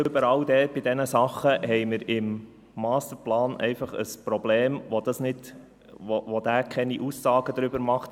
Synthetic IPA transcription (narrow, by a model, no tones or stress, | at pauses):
ʏbəɾɑwd̥̪ɛːb̥ɪd̪ɛnəsɑχːəhɛɪməɾɪmː | ɑːst̪əɾplɑːnʔɛ̰ɪfɑχə̰spɾɔbleːmʋod̥̪ɑsnɪd | ʋoʋod̥̪æːkʰɛniʔusːɑːɡ̥əd̪ɾʏbəɾmɑχt